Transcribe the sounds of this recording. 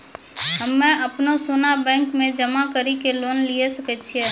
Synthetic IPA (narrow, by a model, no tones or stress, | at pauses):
ɦəmːɛ̃əpnosoːnabɛ̃ːŋkmẽd͡ʒəmakəɾikeloːnliesəkət͡ʃʰie